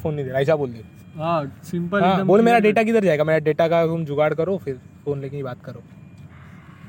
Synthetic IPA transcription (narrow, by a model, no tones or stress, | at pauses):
foːnĩd̪eːɾaːɪsaboːld̪eː | ɦasɪ̃mpəɦãːboːlmeːɾaɖeːʈak̬id̪əɾd͡ʒaːeːɡameːɾaɖeːʈakat̪ʊmd͡ʒʊɡaːɽkɐɾofʰɪɾfoːnleːkẽibaːt̪kɐɾoː